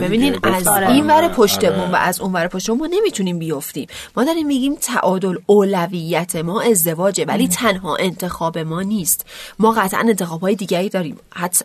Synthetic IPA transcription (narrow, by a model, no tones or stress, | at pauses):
be̞biːniːd̪æzinvæɾepʰoʃt̪e̞bunvæ̰ʔæzunvæːɾepʰoʃt̪e̞bumɒːne̞miːt̪ʰuniːmbijo̞ft̪ḭːmmɒːd̪ɒɾimːiɡiːmt̪ʰæ̰ʔɒːd̪oloːlævijːæt̪ʰemɒːe̞zd̪e̞vɒːd͡ʒe̞væ̰liːt̪ʰænɦɒ̰ːʔe̞nt̪ʰe̞xɒːbe̞mɒːniːst̪mɒːɣæt̪ʰʔæ̰ne̞nt̪e̞xɒːb̥hɒːjed̪iːɟæɾiːd̪ɒːɾiːmhæt̪ʰː